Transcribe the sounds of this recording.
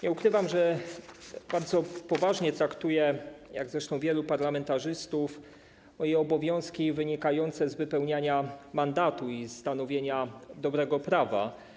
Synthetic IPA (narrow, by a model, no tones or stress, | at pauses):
ɲɛukɾɘvamʐɛ | baɾd̪zɔpɔvaʐɲɛt̪ɾakt̪ujɛja̰ɡzɾɛʂt̪ɔ̃w̃vʲjɛlupaɾlamɛnt̪aʐɘst̪uf | mɔjɛɔbɔvʲjɔ̃w̃skʲivɘɲikajɔnt̪sɛzvɘpɛwɲaɲamand̪at̪uist̪anɔvʲjeɲad̪ɔbɾɛɡɔpɾava̰